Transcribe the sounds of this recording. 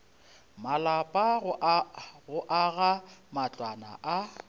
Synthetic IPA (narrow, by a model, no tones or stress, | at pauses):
malapʼa | ɣʊʔaɣamat͡ɬʼwana̰ʔa